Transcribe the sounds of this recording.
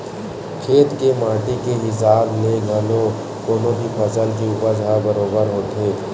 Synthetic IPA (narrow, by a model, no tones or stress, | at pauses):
kʰeːt̪kemaːʈikeɦɪs̬aːbneɡʱəlo | koːnõbʱipʰəsəlk̬iuːpəɾd͡ʒʱabəɾoːbəɾɦoːt̪ʰeː